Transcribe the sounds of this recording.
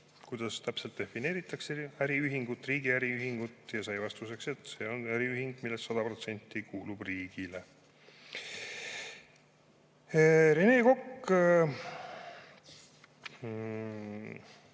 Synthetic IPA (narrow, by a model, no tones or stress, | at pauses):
kujd̪̥ɑst̪æpse̞lt̪̚d̪̥e̞fine̞ːɾit̪ːˑɑkseæɾiyɦiŋɡ̥ut̪ːˑriːɡiæɾiyɦiŋɡ̥ut̪ːjɑsɑjvɑst̪use̞kse̞t̪se̞o̞næɾiyɦiŋɡ̥milːestːsɑd̪̥ɑpro̞t̪se̞nt̪ːikʰuːlub̥riːɡ̥ile̞ | ɾene̞ːko̞kː